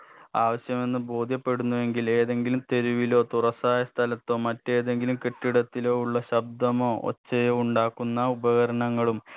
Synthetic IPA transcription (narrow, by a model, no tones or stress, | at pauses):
aːʋɐɕjɐme̞nːɨbo̞ːd̪ʱjɐpːe̞ɽunːuʋe̞ŋɡile̞ːðe̞ŋɡilumt̪e̞ɾuʋilo̞ːt̪urɐsaːjɐst̪ʰɐlɐt̪ːo̞ːmɐtːe̞ːðe̞ŋɡilumkeʈːiɽɐt̪ːilo̞ːuɭːɐɕɐb̚d̪ɐmo̞ːo̰t͡ɕt͡ɕːɐjoːuɳɖaːkːunːɐubɐɣɐɾɐɳɐŋːɐɭum